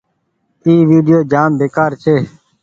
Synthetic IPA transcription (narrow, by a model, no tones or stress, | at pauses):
iːʋiːɖɪjoːd͡ʒaːmbeːkaːɾt͡ʃʰeː